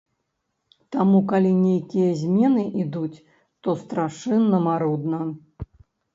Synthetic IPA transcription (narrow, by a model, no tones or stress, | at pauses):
t̪amukalʲinʲejkʲijɐzʲmʲɛnɨʔid̪ut͡sʲ | t̪ɔst̪ɾaʂɨnːɐmaɾud̪nɐ